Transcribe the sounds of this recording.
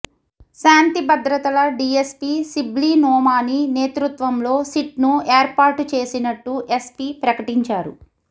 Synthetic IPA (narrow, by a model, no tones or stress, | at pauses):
ʃaːnt̪ibɐd̪ɾɐt̪ɐlɐɖiːespiːsibliːnɔːmaːnineːt̪ɾut̪ʋɐmlo̞ːsiʈnueːɾpaːɾʈut͡ʃe̞ːsinɐʈːuʔespiːpɾɐkɐʈiɲt͡ʃaːɾṵ